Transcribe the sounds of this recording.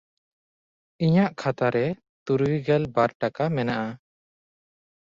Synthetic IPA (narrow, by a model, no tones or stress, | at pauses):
iɲaʔkʰat̪aɾɛ | t̪uɾwiɡɛlbaɾʈakamɛnaʔa